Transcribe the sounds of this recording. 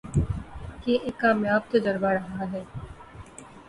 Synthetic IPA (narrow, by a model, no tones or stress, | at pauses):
keʔeːkːaːmjaːb̚t̪od̪ɐɾbaɾɐɦaɦɛː